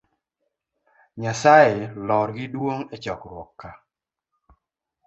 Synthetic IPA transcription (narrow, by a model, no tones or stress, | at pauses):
ɲasaɪlɔɾɡɪdwoŋet͡ʃɔkɾwɔkːa